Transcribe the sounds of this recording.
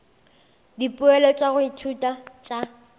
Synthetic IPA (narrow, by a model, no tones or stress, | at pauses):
dipʼʊɛlɔt͡ʃʼaɣʊitʰutʼat͡ʃʼa